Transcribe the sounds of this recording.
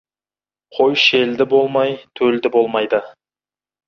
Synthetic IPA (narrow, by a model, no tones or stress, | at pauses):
qʰo̞jʃeld̪ɪbo̞lˠmɑjt̪ʰɵld̪ɪbo̞lˠmɑjd̪ə